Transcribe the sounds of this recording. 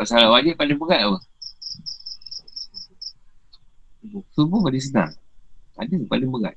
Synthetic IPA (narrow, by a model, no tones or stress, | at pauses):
asalawad͡ʒiʔ̚palɪŋbəɡaʔ̚wa | ubusubuŋadis̬əna̰ŋa̰dəpalɪŋbəɡa̰t̪̚